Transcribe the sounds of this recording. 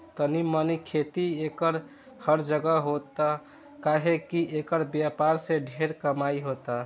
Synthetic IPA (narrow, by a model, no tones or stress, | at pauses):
t̪ənimənikʰet̪iekəɾ | həɾd͡ʒəɡəɦot̪a | kaɦekiʔekəɾbjapaɾsẽɖʱeɾkəmaiɦot̪a